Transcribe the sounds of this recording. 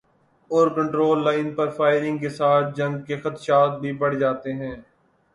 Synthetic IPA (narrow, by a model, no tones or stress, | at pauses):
ɔːɾkə̃ɳʈɾoːlːaːɪnpɐɾfʰaːɪɾɪ̃ŋɡkesaːt̪̚ʰd͡ʒɐ̃ŋɡkexɐt̪ʃaːt̪̚bʱibɐɽ̤d͡ʒaːt̪eɦɛ̃ː